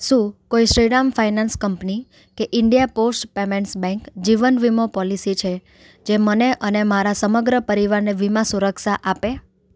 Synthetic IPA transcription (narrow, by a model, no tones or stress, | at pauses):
ʃũkoiʃɾiɽamfainanskəmpni | keʔɪɳɖijaposʈpemeɳʈsbɛ̃ŋkd͡ʒiʋənʋimopɔlisit͡ʃʰe | d͡ʒeməneʔənemaɾasəməɡɾəpəɾiʋaɾneʋimãsuɾəkʃaʔape